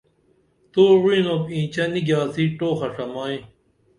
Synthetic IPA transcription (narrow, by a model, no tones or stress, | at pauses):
t̪oːwĩnopĩːt͡ɕɐniɡjaːsiʈoːxɐʂɐmaːĩ